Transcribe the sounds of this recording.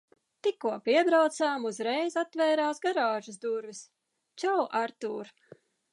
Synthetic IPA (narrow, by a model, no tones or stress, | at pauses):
t̪ikːuɔpiɛbɾawt̪saːmuzɾɛjzat̪ːvɛːɾaːsɡaɾaːʒɨsd̪uɾvis | t͡ʃawʔaɾt̪uːɾ